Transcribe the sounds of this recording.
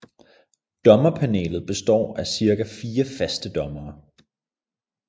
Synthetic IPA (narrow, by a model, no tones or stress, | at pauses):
d̥ɒ̽mɐpʰænḛːlð̩ˠb̥e̝sd̥ɒ̰ːæsiɐɡ̥æfiːɐfæsd̥əd̥ɒ̽mɐː